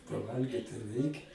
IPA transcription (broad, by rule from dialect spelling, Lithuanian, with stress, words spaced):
pɐˈʋɐlʲɡʲiːt tɐɪ ˈrʲɛɪkʲɛ